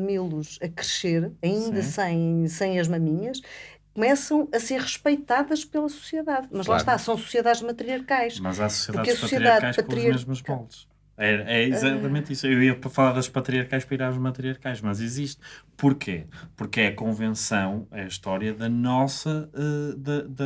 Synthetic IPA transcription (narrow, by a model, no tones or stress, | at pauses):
milˠuʃɐkɾɨʃeɾɐĩnd̪ɐsɐ̃j̃sɐ̃j̃ɐʒmɐmiɲɐʃ | kumɛsɐ̃w̃ɐseɾʁɨʃpɐjt̪aðɐʃpelˠɐsu̥sjeðaðmɐʒlˠaʃt̪asɐ̃w̃su̥sjeðaðʒmɐt̪ɾiɐɾkajʃmɐzasu̥siɛðpɾaðkɐsuɐsjɾiaaðkajʃɐtkõɾmeʒmuʒβɔlˠʃ | ɛɾɐɛizat̪ɐmẽnt̪isuewiɐpɐfɐlˠaɾðɐʃpɐt̪ɾiɐɾkajʃpɾɐiɾaɾuʒmɐt̪ɾiɐɾkajʃmɐziziʃt̪puɾkʰḛpuɾkɛɐkõvẽsɐ̃w̃ɛiʃt̪ɔɾjɐðɐnɔsɐɛðɐðɐ